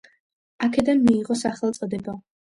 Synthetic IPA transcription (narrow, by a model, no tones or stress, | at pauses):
akʰɛd̪anmiːʁɔsaχɛlˠt̪sʼɔd̪ɛba